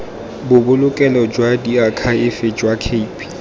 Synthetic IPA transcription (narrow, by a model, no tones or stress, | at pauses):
bʊbʊlʊkʼɛlɔd͡ʒwadiakʰaɪfɪd͡ʒwakʰeipʰʼi̥